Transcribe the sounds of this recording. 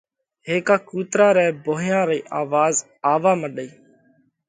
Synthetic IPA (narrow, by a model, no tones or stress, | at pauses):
ɦeːkaːkuːt̪ɾaːɾɛːboːɦjãːɾeiːʔaːʋaːz | aːʋaːməɗəiː